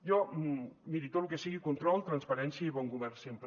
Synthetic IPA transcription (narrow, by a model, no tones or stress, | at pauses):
jɔmiɾit̪ot̪lukesiɣikunt̪ɾɔlˠt̪ɾanspɐɾɛnsjəiβɔŋɡuβɛrsempɾ